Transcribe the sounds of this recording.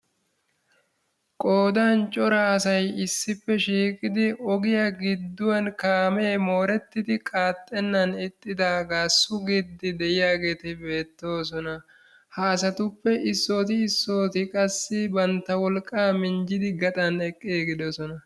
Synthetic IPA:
kʼo̞ːd̪aːnt͡ʃʼɔɾɐːsɐjɪsːɪpːɛʃiːkʼɪd̪ɪɔɡɪjɐɡɪd̪ːʊwɐnkaːme̞ːmo̞ːɾɛt̪ːɪd̪ɪkʼaːt̪ʼːɛnːɐnɪt̪ʼːɪd̪aːɡaːsːʊɡɪd̪ːɪd̪ɛʔɪjaːɡe̞ːt̪ɪbe̞ːt̪ːo̞ːs̬ɔnɐ | haːs̬ɐt̪ʊpːɛʔɪsːo̞ːt̪ɪːsːo̞ːt̪ɪkʼɐsːɪbɐnt̪ːɐwɔlkʼːaːmɪnd͡ʒɪd̪ɪɡɐt̪ʼɐnɛkʼːeːɡɪd̪ɔsɔnɐ

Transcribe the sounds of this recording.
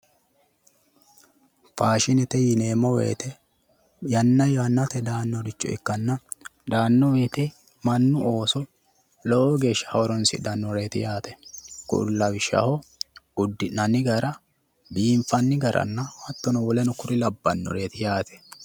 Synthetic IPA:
faːʃɪnɛt̪ɛjɪneːmɔwḛːt̪ɛ | jɐnːɐjɔhɐnːɐt̪ɛd̪aːnːɔd̪ɪt͡ʃːɔ̰ɪ̰kːɐnːɐd̪aːnːɔweːt̪ɛ | mɐnːʊo̞ːsɔ | lɔɔɡe̞ːʃːɐ̥hɐɔɾɔnsɪ̰d̪ɐnːɔɾeːt̪ɪ̰jaːt̪ɛkʊ̰lːɐwɪʃːɐ̰hɔʊd̪ːɪnɐnɪɡɐɾɐ | biːɱfɐnːɪɡɐɾʔɐ̰nːɐhɐt̪ːɔnɔwɔlɛnʊkʊɾɪlɐbːɐnːɔ̰ɾeːt̪ɪjaːt̪ʰɛ̥

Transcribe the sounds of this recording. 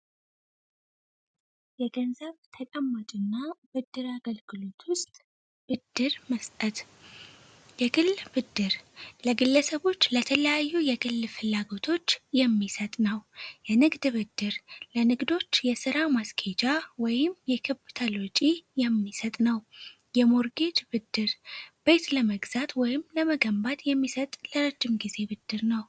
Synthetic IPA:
jɛɡənzəβt̪ʰət͡ʃʼəmːat͡ʃʼɪnːabɨd̪ːɨɾaɡəlɡɨlo̞t̪ʰwʊst̪ʼ | b̥ɨd̪̥ːɨɾməst̪ʼət̪ | jɛɡɨlːbɨd̪ːɨɾləɡɨlːəsəβo̞t͡ʃːlət̪ʰələjajːujɛɡɨlːfɨlːaɡo̞t̪ʰo̞t͡ʃːjɛmːisət̪ʼnəwjɛnɨɡd̪βɨd̪ːɨɾlənɨɡd̪o̞t͡ʃːjɛsɨɾamaskʰed͡ʒawɔjɪmjɛkʰɨbt̪ʰəlot͡ʃʼijɛmːisət̪ʼnəw | jɛmoɾɡe̞d͡ʒbɨd̪ːɨɾb̥e̞t̪ləməɡzat̪wɔjɪmləməɡəmbat̪jɛmːisət̪ʼləɾəd͡ʒːɨmɡize̞bɨd̪̥ːɨɾnəw

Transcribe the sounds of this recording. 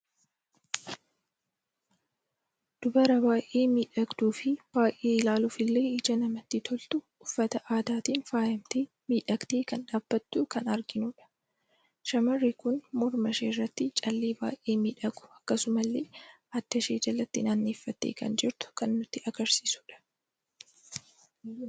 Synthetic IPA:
d̪̥ʊbɐɾɐbaːjʔe̞ːmiːᶑɐɡd̪uːfɪb̥aːʔe̞ːɪlaːluːfɪlːe̞ːɪd͡ʒɐnɐmɐt̪ːɪt̪ʰɔlt̪ʊ | ʊfːɐt̪ɐʔaːd̪aːt̪iːnfaːjɐmt̪eː | miːᶑɐɡt̪eːkɐnᶑaːb̥ːɐt̪ːukɐnɐɾɡɪnʊᶑɐ̥ | ʃɐmɐrːɪkʊnmɔɾmɐʃeːrːɐt̪ːɪt͡ʃʼɐlːeːba̰ːʔe̞ːmiːᶑɐɡʼʊ̥ɐkːɐsʊmɐlːeː | ɐd̪̥ːɐʃe̞ːd͡ʒɐlɐt̪ːɪnanːeːfːɐt̪ːḛːkɐ̰nd͡ʒɪɾt̪ʊ̥kɐnːʊt̪ːɪɐɡɐɾsiːsʊᶑɐ̥

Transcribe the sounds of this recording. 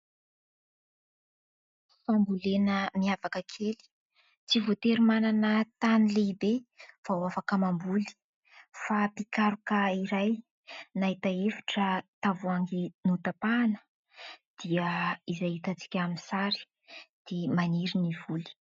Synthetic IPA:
fambulenəmiavakəkʰeli̥ | t͡sivot̪eɾimananət̪anileibev̥awafakəmambuli̥ | fapikaɾukəiɾaj | naɦit̪aefḁʈ͡ʂət̪avuaŋɡinut̪apaːnə̥ | d̪̥iəizajit̪at͡si̥kʲaminsaɾi̥ | d̪̥emaniɾiniv̥uli̥

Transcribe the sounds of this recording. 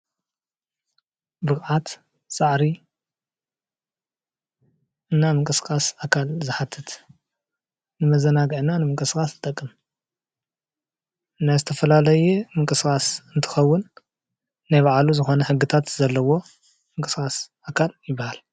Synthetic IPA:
bɨxʕat̪ | sʼaʕɾi | ɨnːamɨŋkʼɨskʼasakʰalzɨħat̪ʰːɨt̪ | nɨmɐzɐnaɡɨʕnanɨmɨŋkʼɨskʼast̪ʰɨt̪ʼɐkʼːɨm | najzɨt̪ʰɐfɐlalɐjɛmɨŋkʼɨskʼasɨnt̪ʰɨ̥xɐwːʊnː | ajβaʕluzɨxo̞nɐħɨɡːɨt̪ʰat̪zɐlːɐwo̞ | mɨŋkʼɨskʼasʔakʰaljɪbːahal

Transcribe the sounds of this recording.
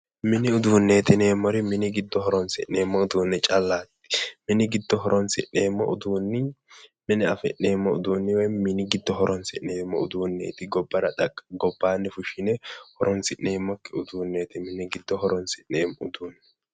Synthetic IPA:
mɪnɪʊd̪uːnːe̞ːt̪ɪne̞ːmːɔɾɪmɪnɪɡɪd̪ːɔhɔɾɔnsɪʔe̞ːmːɔʊd̪uːnːɛt͡ʃʼɐlːaːt̪ːɪ̥mɪnɪɡɪd̪ːɔɦɔɾɔnsɪ̰ʔe̞ːmːɔ̰ʊd̪uːnːɪmɪnɪɐfɪ̰ʔneːmːɔʊd̪uːnːɪwɛjmɪnɪɡɪd̪ːɔɦɔɾɔnsɪʔneːmːɔʊd̪uːnːḛːt̪ɪɡɔbːɐɾɐᶑ̪ɐkʼːɡɔbːaːnːɛfʊʃɪnɛhɔɾɔnsɪʔneːmːɔkːɪʊd̪uːnːeːt̪ɪmɪnɪɡɪd̪ːɔhɔɾɔnsɪʔneːmːɔʊd̪uːnːɪ

